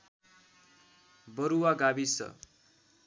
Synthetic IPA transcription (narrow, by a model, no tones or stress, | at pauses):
bʌɾuwaɡabisʌ̰